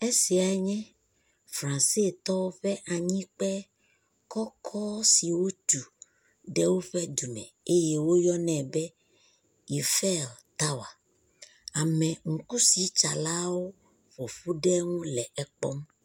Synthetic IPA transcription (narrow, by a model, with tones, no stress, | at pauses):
e˦si˨a˨ɛ˦ɲɛ̃˦ | fɾã˨nse˦t̪ɔ˦wo˦ɸɛ˦ʔa˨ɲĩ˦k͡pɛ˦ | kɔ˦kʰɔ˦si˨wo˦t̪u˨ | ɖɛ˦wo˦ɸɛ˦d̪u˨mɛ̰̃˨e˦jɛ˦wo˦jɔ˦nɛ̃˨bɛ˦ | i˨fɛ˦˨lt̪a˦wa˨ | a˨mɛ̃˨ŋ̩˨ku˦si˨t͡ʃa˨la˦wo˦ | ɸo˨ɸu˦ɖɛ˦ŋũ˦lɛ˨ʔɛ˨k͡pɔ̰˦m